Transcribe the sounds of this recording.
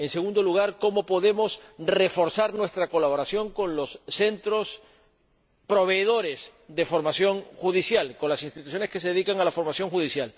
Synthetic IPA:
e̞nse̞ɣ̞ũnd̪o̞luɣ̞aɾko̞mo̞po̞ðe̞mo̞sre̞fo̞ɾsaɾnwe̞st̪ɾako̞laβo̞ɾasjo̞ŋkõ̞nlo̞sːe̞nt̪ɾo̞s | pɾo̞βe̞ːð̞o̞ɾe̞sd̪e̞fo̞ɾmasjo̞ŋxuð̞isjalko̞nlasinst̪it̪usjo̞ne̞skes̬e̞ðe̞ðikaŋalafo̞ɾmasjo̞ŋxuð̞isjal

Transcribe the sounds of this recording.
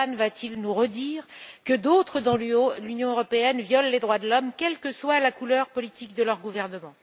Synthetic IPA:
anvat̪ʰilnuʁəd̪iːʁkəd̪ot̪χəd̪ɑ̃lynjɔ̃øʁɔpeɛnvjɔlːed̪ʁwad̪əlɔmkʲɛlkəswalakulœʁpɔlit̪ik̚d̪əlœʁɡuvɛʁnəmɑ̃

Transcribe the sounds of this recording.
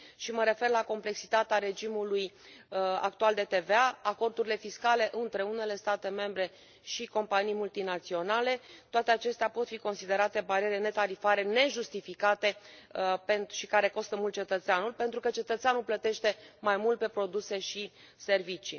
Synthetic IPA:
ʃiməɾe̞fe̞rlako̞mple̞ksi̥t̪at̪eaɾe̞d͡ʒimuluj | a̰k̚t̪uald̪e̞t̪e̞veaako̞rd̪uɾile̞fiskale̞ʔɨnt̪ɾe̞une̞le̞st̪at̪e̞me̞mbɾe̞ | ʃiko̞mpanijmult̪inat̪sio̞nale̞t̪oat̪e̞at͡ʃe̞st̪eapo̞t̪fiko̞nsid̪e̞ɾat̪e̞baɾieɾene̞t̪aɾifaɾe̞ne̞ʒust̪ifikat̪e̞penʃikaɾe̞ko̞st̪əmult̪̚t͡ʃe̞t̪ət̪seanulʲpent̪ɾukət͡ʃe̞t̪ət̪seanulplət̪e̞ʃt̪e̞majmult̪̚pe̞pɾo̞d̪use̞ʃi | servit͡ʃi

